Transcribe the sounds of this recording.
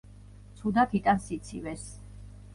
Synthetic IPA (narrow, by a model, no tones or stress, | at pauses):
t̪sʰud̪akʰit̪ʼansit̪sʰḭvɛs